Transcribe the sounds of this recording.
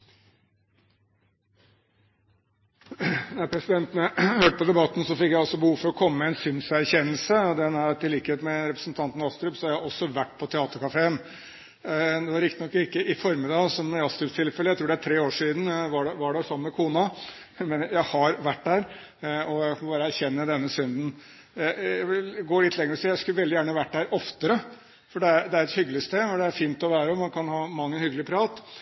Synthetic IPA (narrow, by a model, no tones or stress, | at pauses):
næɾpʰɾɛsɪd̪ɛnt̪ənəhøːʈəpɔd̪ɛbɑt̪ːn̩sɔfɪkjæɪɔlsɔbəhuːʋfɔɾɔkʰɔmːəmɛɛɪnsʏnsæɾçɛnəlsəɔd̪ɛnæɾt̪ɪliːkəheːt̪mɛɾɛpɾəsnt̪ʰɑnt̪n̩ɑst̪ɾʉpsɔɑæhɑɾɔsːɔʋæʈːpʰɔt̪ʰɛɑːt̪əɾkɑfeːən | d̪ɛʋɑɾɪkt̪ɪnɔkːɪkːəʔɪfɔɾmɪd̪ɑːsɔmɑst̪ɾʉpst̪ʰɪlfɛləjæɪt̪ʰɾuːɖɛæʈʰɾeːoːʂiːd̪n̩ʋɑɖɛʋɑɖɛsɔmːəmɛkʰuːnɑ | mɛnəjæhɑɾʋæʈːdæːɾ | ɔjæɪkɑmɔbɑːɾəæɾçɛnːəd̪ɛnːəsʏnd̪n̩ | ææʋɪlɡoːlɪt̪ʰlɛŋəɾɔsiːjæɪskʉlʋɛld̪ɪjæːɳʋæʈːdæːɾɔft̪əɾə | fɔɖɛæɾd̪ɛæɾɛt̪hʏɡəlɪst̪eːmɔd̪ɛæɾfiːnt̪ɔʋæːɾəɔmɑnkʰɑnhɑːmɑŋːənhʏɡəlɪəpʰɾɑːt̪